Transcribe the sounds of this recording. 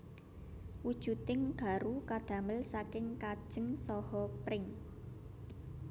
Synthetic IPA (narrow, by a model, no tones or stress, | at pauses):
wud̥ʒ̥ṳt̪ɪŋɡ̥a̤ɾukad̪̥ä̤məlsakɪŋkad̥ʒ̥ə̤ŋsɔhɔpɾɪŋ